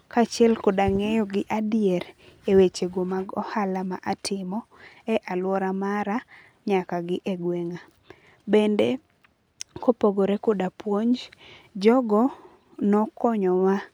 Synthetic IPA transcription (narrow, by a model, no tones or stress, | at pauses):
kat͡ʃiɛlkɔdaŋejɔɡɪʔadɪjɛɾewet͡ʃeɡomaɡɔhalamaʔatʰɪmɔɛʔalwɔɾamaɾa | ɲakaɡɪʔeɡweŋa | bende | kopoɡoɾekʊdapwoɲd͡ʒd͡ʒɔɡɔ | nɔkɔɲɔwa